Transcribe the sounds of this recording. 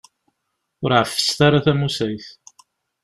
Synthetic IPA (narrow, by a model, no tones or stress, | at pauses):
ʊɾʕəfːə̥st̪aɾaθæmusæjθ